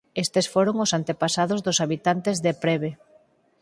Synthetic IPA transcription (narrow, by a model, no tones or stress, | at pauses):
est̪esfoɾoŋʊsant̪epasaðʊzðʊsaβit̪ant̪ezðepɾeβe